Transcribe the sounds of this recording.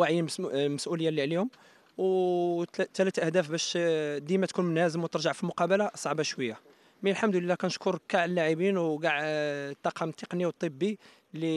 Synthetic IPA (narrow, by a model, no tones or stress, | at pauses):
waʕjənməsʔuləjːalːiʕlihʊm | w | t̪ːælæt̪ʔæhd̪æfbæʃd̪imæt̪kunmʊnhæzəmwt̪əɾˤʒəʕfilmʊqɑbəlasˤɑʕbɑʃwəjːa | mənəlħamd̪ləlːækænəʃkʊɾˤkaʕəlːaʕibinwɡaʕt̪ˤːɑqɑmt̪ˤːəqniwt̪ˤːəbːi | lːi